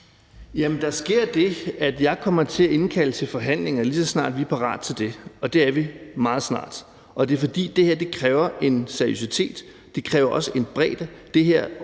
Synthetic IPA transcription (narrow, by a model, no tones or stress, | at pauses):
jæmənd̥ɑ̈sɡ̥e̝ɐ̰d̥e̝æd̥jɑ̈ɪkʰɒ̽m̰ɐt͡sʰe̝æe̝nkʰælət͡sʰe̝lfɒ̽ɦæn̰le̝ŋɐlisɒ̽snɑ̰̈ːd̥ʋiɐpʰɑ̈ʁɑ̰̈ːd̥t͡sʰe̝ld̥e̝ɒ̽d̥e̝æɐʋimɑ̈ːð̞̩ˠsnɑ̰̈ːd̥ | ɒ̽d̥e̝ɐfɒ̽d̥ḭːd̥e̝heɐ̰d̥e̝kʰʁɛːʊɐʔe̝nseɐijo̝sit͡sʰe̝̰ːd̥ː | e̝kʰʁɛːʊɐʔɒ̽səʔe̝nb̥ʁɛ̰ːd̥əd̥e̝ɦeɐ̰